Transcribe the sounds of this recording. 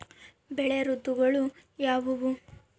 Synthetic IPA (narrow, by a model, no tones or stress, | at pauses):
bɛɭeɾut̪ːuɡɐɭujaːʋɐʋu